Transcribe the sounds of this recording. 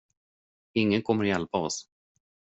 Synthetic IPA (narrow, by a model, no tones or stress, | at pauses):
ɪŋːənkʰɔmːəɾjɛlpaɔs